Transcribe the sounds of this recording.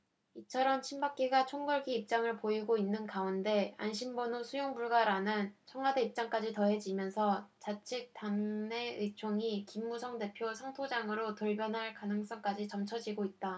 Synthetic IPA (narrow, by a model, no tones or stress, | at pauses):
it͡ɕʰʌɾʌmt͡ɕʰimbak͈iɡat͡ɕʰoŋɡʌɭɡiːp̚t͡ɕ͈aŋɯɭpoiɡoinːɯnkaunde̞a̰nɕʰimbʌnosʰujoŋbuɭɡaɾanɯnt͡ɕʰʌŋade̞ip̚t͡ɕ͈aŋk͈ad͡ʑitʌɦe̞d͡ʑimjʌnsʰʌt͡ɕat͡ɕʰik̚t͈aŋne̞ɯt͡ɕʰoŋikimːusʰʌŋde̞pʰjosʰaŋtʰod͡ʑaŋɯɾotuɭbjʌnɦaɭkanɯŋs͈ʌŋk͈ad͡ʑit͡ɕʌmt͡ɕʰʌd͡ʑiɡoit̚t͈a